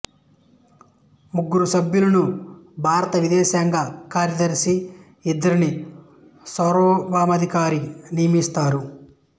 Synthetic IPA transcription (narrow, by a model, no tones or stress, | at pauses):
muɡːuɾusɐbjulɐnubʱaːɾɐt̪ɐʋid̪ɛːʃaːŋɡaːkaːɾjɐd̪ɐɾisi | id̪ːɐɾini | sɐɾɔːbaːmɐd̪ʱikaːɾinijɐmist̪aːɾu